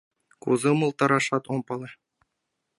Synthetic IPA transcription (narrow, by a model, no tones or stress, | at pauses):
kṵzɤmulˠt̪ɑɾɑʃɑt̪ompɑlˠɤ